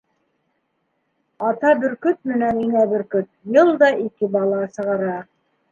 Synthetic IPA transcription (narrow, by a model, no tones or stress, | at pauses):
ɑt̪ɑbɘ̆ɾkɵt̪̚mɘ̆næniŋæbɘ̆ɾkɵt̪̚jɤlˠd̪ɑʔikɘbɑlˠɑsɤ̆ʁɑɾɑ